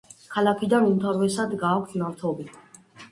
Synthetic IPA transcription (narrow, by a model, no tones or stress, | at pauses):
kʰalakʰid̪anumt̪ʰaɾvɛsad̪ɡaːkʰʷsʰiaɾt̪ʰɔbi